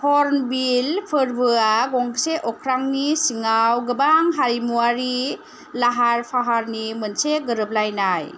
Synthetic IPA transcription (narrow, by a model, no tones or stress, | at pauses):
hɔɾnbilpʰɯɾbɯaɡɔŋseʔɔkʰɾaŋnisiŋawɡɯbaŋɦaɾimuaɾi | laɦaɾpʰaɦaɾnimɯnseɡɯɾɯp̚lajnaj